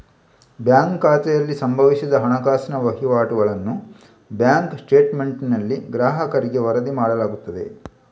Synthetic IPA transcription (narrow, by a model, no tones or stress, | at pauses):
bjaːŋkːaːt̪ɛjɐlːisɐmbʱɐʋisid̪ɐɦɐɳɐkaːsɐnɐʋɐɦiʋaːʈuɡɐɭɐnːu | bjaːŋksʈe̞ːʈme̞ɳʈnɐlːiɡɾaːɦɐkɐɾiɡeʋɐɾɐd̪imaːɽɐlaːɡut̪ːɐd̪e̞̰